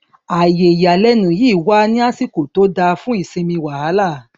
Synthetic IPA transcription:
a˨je˨ja˨lɛ˧˦nũ˨jiː˦˨wa˦nĩ˦a˦si˦ko˨to˨˦da˧fũ˦i˦˨sẽ˧mĩ˧wa˨ha˨˦la˦˨

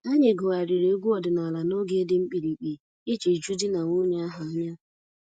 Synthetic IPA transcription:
a˦ɲe˨ɡʊ˨a˨ɾɪ˨ɾe˨˦ɡʷu˦ɔ˨dʊ˨na˨la˨no˦ɡe˦e˦dɪ˦ŋ͡m̩˦k͡pi˨ɾi˨k͡pi˨ | ɪ˦t͡ʃe˨d͡ʒu˦di˦na˨ŋʷʊ˦ɲe˦a˦ɦa˨a˦ɲa˦

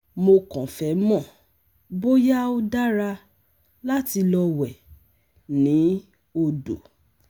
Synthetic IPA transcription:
mo˧kɔ̃˨fɛ˨˦mɔ̃˦˨ | bo˦ja˦o˦da˦ɾa˧ | la˦ti˧lɔ˧wɛ˨ | nĩ˨˦ | o˧do̰˨

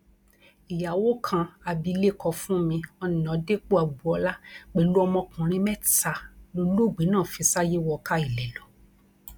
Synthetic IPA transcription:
i˨ja˨wo˦kʰã˧a˧bi˧˦le˦kɔ˧fũ˦mĩ˧ɔ˧nĩ˨ã˨˦de˦k͡po˦a˨ɡ͡bu˨˧ɔ˧la˦k͡pe˨lu˦ɔ˧mɔ̃˧kũ˨ɾ̃ĩ˦mɛ˦ta˧lo˧lo˦˨ɡ͡be˨˦nãː˦˨fi˧sa˦je˦wɔ˧ka˦i˨lɛ˨lɔ˨˦

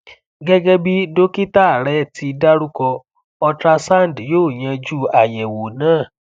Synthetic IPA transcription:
ɡɛ˦ɡɛ˦bi˦do˦ki˦ta˦˨ɾɛ˦ti˧da˦ɾu˦kɔ˧ | ɔ˧tɾa˧sa˦˨n˨djoː˦˨j̃ɛ̃˧d͡ʒu˦a˨jɛ˨wo˨nãː˦˨

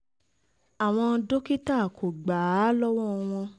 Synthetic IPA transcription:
a˨w̃ɔ̃˧do˦ki˦ta˦˨kʰo˨ɡ͡ba˨˦lɔ˦wɔ˦˧w̃ɔ̃˧

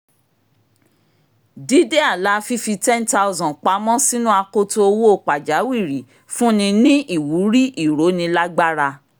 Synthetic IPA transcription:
di˦de˦a˦˨la˨˦fi˦fi˧tɛ˦n˦ta˦˧u˧zɔ̃˨k͡pa˨˦mɔ̃˦si˦nũ˦a˧ko˦to˦o˧wo˦o˦˨k͡pa˨d͡ʒa˨˦wi˦˨ɾi˨ | fũ˦nĩ˧nĩ˦i˦˨wu˨˦ɾi˦ʔi˦˨ɾo˨˦nĩ˧la˦ɡ͡ba˦ɾa˧

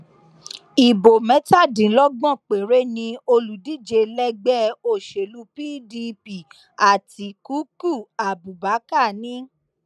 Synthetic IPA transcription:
i˨bo˨mɛ̃˨˦ta˦˨dĩ˨˦lɔ˦ɡ͡bɔ̃˦˨k͡pe˨ɾe˦nĩ˧o˧lu˨di˦˨d͡ʒe˧lɛ˦ɡ͡bɛ˦o˦˨ʃe˨lu˧˦piː˦di˧pi˨ | a˨ti˧ku˨˦ku˦˨a˨bu˨ba˨˦ka˦˨nĩ˦

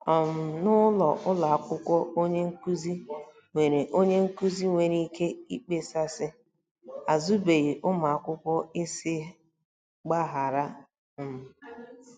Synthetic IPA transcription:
ɔ˨m̩˨nʊ˦lɔ˨ʔʊ˦la˨a˨kʷʊ˦kʷɔ˦o˦ɲe˦ŋ̩˦ku˦zi˦ | ŋʷe˨ɾe˨ʔo˦ɲe˦ŋ̩˦ku˦zi˦ŋʷe˨ɾi˦ke˦i˦k͡pe˦sa˦sɪ˦ | a˨zu˦be˨i˨ʔʊ˦ma˨a˨kʷʊ˦kʷɔ˦ɪ˦sɪ˦ | ɡ͡ba˦ɦa˨ɾa˦ | m̩˨

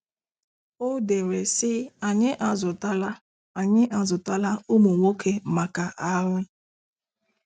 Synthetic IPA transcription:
o˦de˨ɾe˨sɪ˦a˨ɲɪ˦ʔa˨zʊ˨ta˦la˦ | a˨ɲɪ˦ʔa˨zʊ˨ta˦la˦o˦mo˨ŋʷo˦kʰe˦ma˨ka˨ʔa˦ɾʊ˦

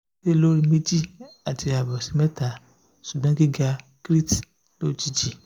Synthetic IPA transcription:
te˦lo˦ɾi˧mi˦d͡ʒi˦a˨ti˧a˨bɔ˨si˧˦mɛ˦ta˨ | su˨ɡ͡bɔ̃˦ɡi˦ɡa˧ | kɾi˦t | lo˦˨˦t͡ʃi˧d͡ʒi˨

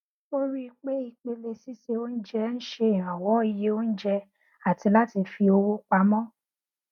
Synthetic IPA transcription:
o˦ɾi˦˧k͡pe˦i˧k͡pe˧le˧si˦se˧o˦n̩˦d͡ʒɛ˧n̩˦ʃe˧˨ɾã˨wɔ˨˦i˧je˧˦o˦n̩˦d͡ʒɛ˧ | a˨ti˨˧la˦ti˧fi˧o˧wo˦k͡pa˧˦mɔ̃˦

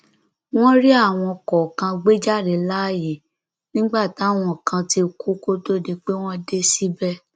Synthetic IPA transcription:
w̃ɔ̃˦ɾi˦a˦˨w̃ɔ̃˧kɔ˨kã˧ɡ͡be˦d͡ʒa˦˨ɾe˨la˦˨ji˨ | nĩ˦ɡ͡ba˦˨ta˨˦˨w̃ɔ̃˧˨kã˧ti˧˨kʰu˦ko˦to˦˨de˧k͡pe˦w̃ɔ̃˦de˦si˦bɛ˦

